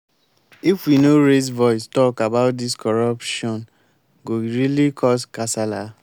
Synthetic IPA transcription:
ifwinoɾezvɔɪstɔkabaʊt̚diskɔɾapʃɔ̃n | ɡoɾilikʰɔskasala

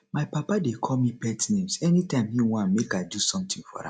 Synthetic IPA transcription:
maɪpapadekʰɔmipɛtinẽmsɛnitãɪ̃mhiwãnmekadusɔ̃mtĩŋfɔ̰ɾã̰

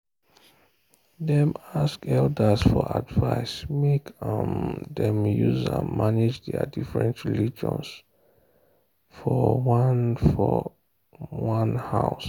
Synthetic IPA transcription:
dɛ̃maskɛldəsfɔadvaɪsmekãmdɛ̃mjuza̰maned͡ʒdɛ̰difɹɛ̰̃ntɹilid͡ʒɔ̰̃ns | fɔwanfɔ | wãnhaʊs

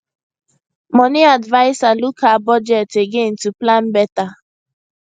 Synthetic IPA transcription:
mɔnɪadvaɪsalukabɔd͡ʒɛteɡen̩tuplam̩beta

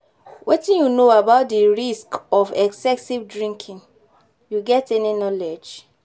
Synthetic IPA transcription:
wetĩnjunoabaʊtdiɹiskɔfɛksɛsivdɹĩŋkʰĩn | juɡɛtɛninɔlɛd͡ʒ

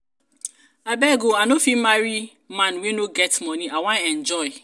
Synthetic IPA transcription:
abɛɡoanofimaɾi | manwinoɡɛtmɔniawãɛ̃nd͡ʒɔɪ

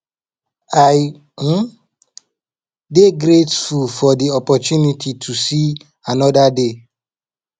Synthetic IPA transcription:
aɪ | deɡɾetfulfɔdiɔpɔtjunitʰitʰusi | anɔdade

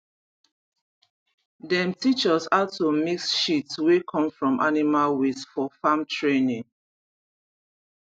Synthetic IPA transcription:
dɛ̃mtit͡ʃɔsatomiksʃitswekʰɔ̃mfɹɔ̃mʔa̰nimalwifɔfãmtʰɹenĩŋ

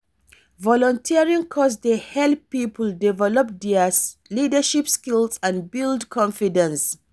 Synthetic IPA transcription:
vɔlɔ̃ntʰiəɹĩŋkʰɔs̬dehɛlpipəldivɛlɔp̚diəslidaʃipskilsãnbildkʰɔ̃nfidɛ̃ns

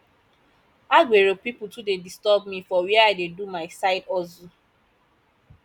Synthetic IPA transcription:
aɡʷeɾopipʊtudedistɔb̚mifɔwiɛaɪdedumaɪsaɪdɔzu

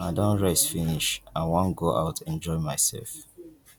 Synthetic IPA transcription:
aɪdõnɹɛsfiniʃãɪwɔ̃nɡoʔa̰ʊtɛ̃nd͡ʒɔɪmaɪsɛ̰lf

